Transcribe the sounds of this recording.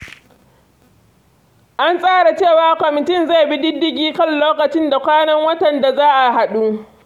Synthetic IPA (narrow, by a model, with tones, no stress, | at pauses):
ʔa˦nsʼaː˦ɽa˨t͡ʃeː˦˨waː˨kʷɔ˨mɪ˨tɪ˦˨nza˦˨bɪ˦dɪ˦dːɪ˦ɡʲiː˦kɐ˦˨nloː˦kɐ˨t͡ʃɪ˦nda˨kʷaː˦nɐ˦ŋwɐ˦tɐ˨nda˨zaː˦ʔa˨ɦa˨ɗuː˦